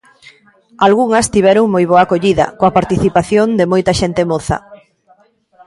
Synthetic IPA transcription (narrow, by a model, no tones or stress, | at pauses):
alɣuŋɐst̪iβɛɾoŋmojβ̞oɐkoʎiðɐ̰koɐpaɾt̪iθipaθjond̪ɪmojt̪ɐʃent̪ɪmoθɐ̰